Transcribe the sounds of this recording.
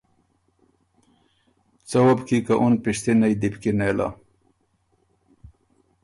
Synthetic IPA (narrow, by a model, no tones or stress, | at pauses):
t͡sɐwabkikaʔunpiʂt̪inajd̪ipkinela̰